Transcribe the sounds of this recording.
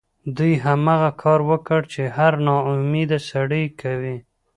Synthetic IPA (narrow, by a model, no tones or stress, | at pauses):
d̪ujɦamaɣakʰɑɾwəkəɽt͡ʃehaɾnɑʊmid̪asaɽəjkʰawi